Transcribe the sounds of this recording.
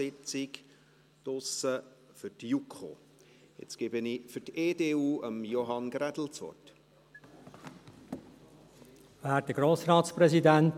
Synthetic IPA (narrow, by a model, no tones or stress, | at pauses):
ɪt͡sɪk | t̪ʊsə | fʏɾtjukχo̰ | ɪ̰t͡skɪbənifʏɾteːdeːuːəmjoɦɑnɡɾædl̩t͡sʋɔ̰rt | ʋææːt̚d̥əɡɾoːsɾɑːt̪spɾɛzidænt